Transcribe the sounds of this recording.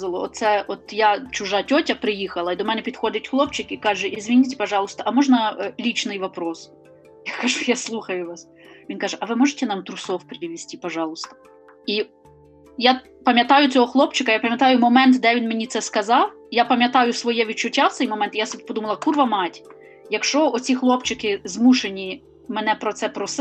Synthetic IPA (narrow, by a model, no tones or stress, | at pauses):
zɐlˠɔɔt̪sɛɔt̪jat͡ʃʊʒɑtʲɔtʲɐpɾɪjixɐlˠɐid̪ɔmɛnɛpʲid̪xɔd̪ɪtʲxlˠɔpt͡ʃɪkikɑʒɛʔizʲʋʲinʲit̬ʲɛ̥pɐʒɑlˠʊst̪ɔʔɐmɔʒnɐlʲit͡ʃnɪjʋɐpɾɔs | jakɐʒujaslˠuxɐjʊʋɑs | ʋʲinkɑʒɛʔɐʋɪmɔʒetʲɛnɑmt̪ɾʊsɔwpɾɪʋʲisʲtʲipɐʒɑlˠʊst̪ɔ̥ | i | ja | pɐmʲjɐt̪ɑjʊt͡sʲɔɦɔxlˠɔpt͡ʃɪkɐjapɐmʲjɐt̪ɑjʊmɔmɛnt̪d̪ɛʋʲinmenʲit̪sɛskɐzɑw | japɐmʲjɐt̪ɑjʊsʋɔjɛʋʲid̪̚t͡ʃʊtʲːaft̪sɛjmɔmɛnt̪ijasbɛpɔd̪umɐlˠɐkurʋɐmɑtʲ | jɐkʃt͡ʃɔɔt͡sʲixlˠɔpt͡ʃɪkɪzmuʃenʲi | mɛnɛpɾɔt̪sɛpɾɔs